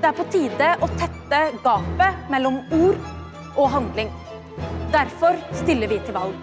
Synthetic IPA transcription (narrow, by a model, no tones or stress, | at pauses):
d̪ɛæɾpʰɔt̪ʰiːd̪əʔɔt̪ʰɛt̪ːəɡɑːpəmɛlːɔmuːɾ | ʔɔɦɑnd̪lɪŋ | d̪æɾfɔɾst̪ɪlːəɾʋɪt̪ʰɪlʋɑlɡ